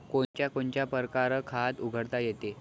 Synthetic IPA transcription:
kont͡ɕjakoɳt͡ɕjapəɾkaɾəkʰat̪uɡʱəɽt̪ajet̪e

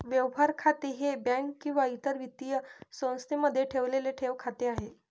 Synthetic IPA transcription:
ʋjəʋʋaɾkʰat̪eɦebɛ̃ŋkːĩw̃ʋait̪əɾʋit̪ijəsə̃w̃st̪ʰeməd̪ʱːjeʈʰeʋleleʈʰeʋkʰat̪eaɦe

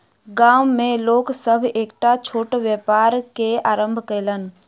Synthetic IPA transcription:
ɡaːwmẽloːksəbʱeːkʈat͡ʃʰoːʈʋjeːpaːɾkeaːɾə̃mbʱkəɪlən̆

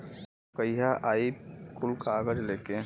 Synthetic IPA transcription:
kəiɦaʔaːikʊlkaːɡəd͡ʒleːke

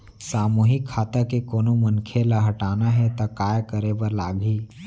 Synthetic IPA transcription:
saːmuːɦɪkʰːaːt̪akekoːnomənkʰelaɦɐʈaːnaɦɛt̪akaːjkəɾebəɾlaːɡʱiː

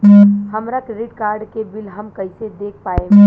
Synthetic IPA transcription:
hɐmɾakɾɪɖkaːɾɖkebɪlɦɐmkɐɪsed̪eːkʰpaːẽ

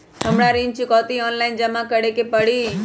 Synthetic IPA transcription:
ɦəmɽaɾĩnt͡ʃikɔt̪iɔnlaɪind͡ʒəmãkəɽekepəɽi

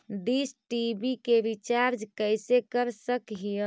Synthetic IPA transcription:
d̪isʈibikeʋit͡ʃaɾd͡ʒkəjsekəɾsəkɦijə

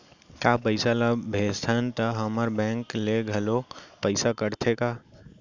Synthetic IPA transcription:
kjapəɪsalabʱeːst̪ʰant̪əɦəməɾbɛ̃ːŋkleɡʱɐlopəɪsakəɾt̪ʰeka

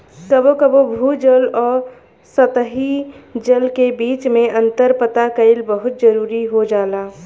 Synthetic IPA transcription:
kəbokəbobʱud͡ʒəlɔːɾ | sət̪əɦid͡ʒəlkebiːt͡ʃmẽʔə̃nt̪əɾpət̪akəɪlbəɦʊt̪̚d͡ʒəɾuːɾiɦod͡ʒaːlaː

